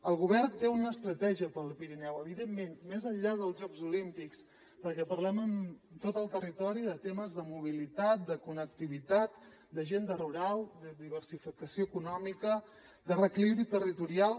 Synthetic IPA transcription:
əlˠɣuβɛɾt̪eunəːst̪ɾət̪ɛʒiəpəlˠpiɾinɛwəβ̞iðemːenmezəʎʎaðəlˠzʒɔɡzulimpiks | pəɾkɛpəɾlɛməmt̪ot̪əlˠt̪ərit̪ɔɾiðət̪eməzðəmuβ̞ilit̪at̪̚d̪əkunək̚t̪iβit̪at̪ | d̪əʒend̪əruɾalˠd̪əðiβəɾsifikəsioəkunɔmikə | d̪ərəkliβɾit̪ərit̪uɾialˠ

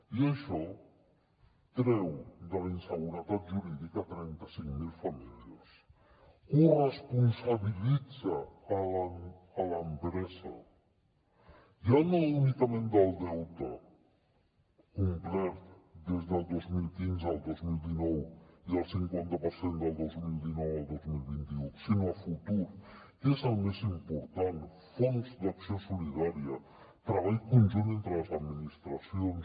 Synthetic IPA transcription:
iəʃɔ | t̪ɾɛwd̪əlinsəɣuɾət̪at̪ʒuɾiðikət̪ɾɛnt̪əsiŋmilˠfəmiliəs | urəspunsəβilid͡zəːləː | ləmpɾɛzə̰ | jianalunikəmẽnd̪əlˠd̪ɛwt̪ə | kumplɛɾt̪d̪ezðəlˠd̪ozmilˠkinzəlˠd̪ozmilˠd̪inɔwiðəlˠsiŋkwant̪əpəɾsend̪əlˠd̪ozmilˠd̪inɔwəlˠd̪ozmilˠβint̪iusinoəfut̪uɾ | ezəlˠmezimpuɾt̪an | fonzd̪aksiosulið̞aɾiə | t̪ɾəβ̞aʎkunʲʒunent̪ɾələzəd̪minist̪ɾəsions

